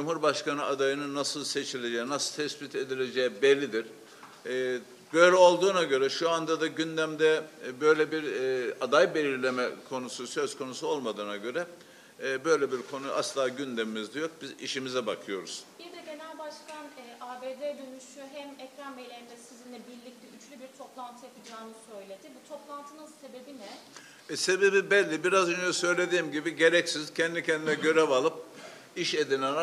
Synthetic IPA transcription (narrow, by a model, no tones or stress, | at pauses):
d͡ʒumhuɾbaʃkanɯad̪ajɯnɯnːasɯlˠse̞t͡ʃʰilʲe̞d͡ʒɛjinasɯlˠt̪ʰɛsbit̪ʰe̞d̪ilʲe̞d͡ʒɛːɛbelʲːid̪iɾ̥ː | bø̞jlʲɛo̞lˠd̪uːnaɟø̞ɾɛʃuand̪ad̪aɟynd̪æmd̪ɛbø̞jlʲɛbiɾad̪ajbe̞lʲiɾlʲe̞mɛkʰo̞nususø̞z̥kʰo̞nusuo̞lˠmad̪ɯːnaɟø̞ɾɛ | bø̞jlʲɛbiɾkʰo̞nuʔa̰slˠaːɟynd̪emimizd̪ɛjo̞k̚b̥izḭʃimizɛbakʰɯjo̞ɾuz̥biɾd̪ɛɟe̞nælʲbaʃkanɛʔaːbeːd̪ed̪ynyʃyɦæmɛcɾanmejlʲeɾind̪ɛsizinlʲɛbiɾlʲic̚t̪ʰɛyt͡ʃlʲybiɾt̪ʰo̞plˠant̪ʰɯjap̪ʰɯd͡ʒaːnɯsø̞jlʲe̞d̪ɪbut̪ʰo̞plˠant̪ʰɯnanse̞be̞binɛ | ɛse̞be̞bibɛlʲːibiɾazønd͡ʒɛsø̞jlʲe̞d̪iːmɟibiɟe̞ɾɛcsiz̥cʰɛnd̪icʰɛnd̪inɛɟø̞ɾɛvalˠɯp̚ | iʃe̞d̪inɛn